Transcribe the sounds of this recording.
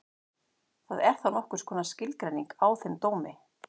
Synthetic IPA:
θaðɛɾ̥θanɔhkʏ̥skʰɔːnascɪlkɾajniŋkawθɪnt̪oːwmɪ

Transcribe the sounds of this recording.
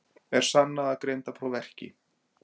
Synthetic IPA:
ɛɾ̥sanːaðaðkɾejnt̪apʰɾowvɛr̥cɪ̰

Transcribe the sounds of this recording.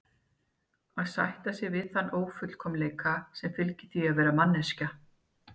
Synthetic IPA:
aðsa̰jht̪asjɪɣvɪðθanːʔoːwfʏt̪l̥kʰɔmleːjkʰasɛmfɪlcɪ̥θiaðvɛːɾamanːɛsca

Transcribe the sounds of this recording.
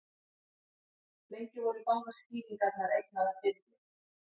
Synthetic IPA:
lejɲcɪvɔɾikawŋkḁsciːliŋkaɾnaɾejk̚naðvɪt̪lɪ

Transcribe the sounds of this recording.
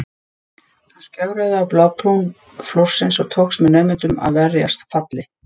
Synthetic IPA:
ascaɣɾaðɪawplawp̪ʰun | flowr̥sɪnsɔɣt̪ʰoːksmɛðnœːmɪnt̪ʏma̰ðvɛrja̰st̪fat̪lɪ

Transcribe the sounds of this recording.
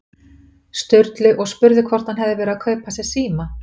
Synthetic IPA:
st̪œɥɾt̪lɪʔɔɣspʏɾðɪkʰvɔr̥t̪anɦɛvðɪvɛːɾakʰœɥpʰːasɛ̥siːma

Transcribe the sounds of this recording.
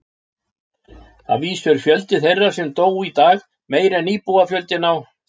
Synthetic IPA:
a̰viːsœɾ̥fjœlt̪ɪθejrːasɛmt̪oːwit̪aːx | meːjɾɛniːpuafjœlt̪ɪnaw

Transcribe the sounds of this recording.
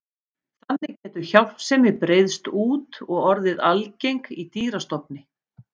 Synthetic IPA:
θanːɪcɛːt̪ʏɾçawl̥psɛmɪpɾejðst̪uːt̪ɔɣɔɾðɪðalcejŋkit̪iːɾast̪ɔpnɪ

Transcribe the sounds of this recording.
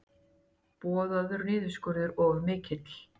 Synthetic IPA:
pɔːðaðʏɾnɪːðʏɾskʏɾðɪɾɔɣmɪːcɪt̪l̥

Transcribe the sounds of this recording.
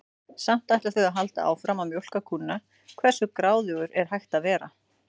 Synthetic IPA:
sam̥t̪ajt̪laθœjɣaɦalt̪a̰a̰wfɾaːmːamjowl̥kakʰunːa | kʰvɛr̥sʏkɾaːwðʏɣʏɾɛɾ̥ɦajht̪avɛːɾa̰

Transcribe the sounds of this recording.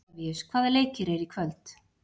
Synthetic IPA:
viskʰvaːðɛleːjcɪɾɛɾikʰvœlt̪

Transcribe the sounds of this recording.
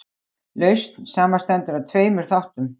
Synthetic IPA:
lœɥst̪nsaːmast̪ɛnt̪ʏɾaðt̪ʰveːjmʏɾ̥θawht̪ʏm

